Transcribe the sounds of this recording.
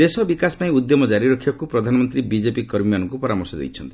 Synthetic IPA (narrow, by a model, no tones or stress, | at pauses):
d̪esɔbikasɔ̥paĩud̪jɔmɔd͡ʒaɾiɾɔkʰibakupɾɔd̪ʱanɔmɔnt̪ɾibid͡ʒepikɔɾmijanɔŋkupɔɾamɔɾsɔd̪ḛjt͡ʃʰɔnt̪i̥